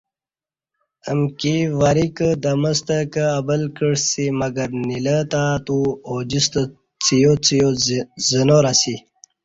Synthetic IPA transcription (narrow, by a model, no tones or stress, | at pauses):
əmkiʋaɾikəd̪ɐməst̪əkəːbəlkəɽsimɐɡəɾnilət̪at̪uod͡ʑist̪ə | t͡sijot͡sijozənoɾasi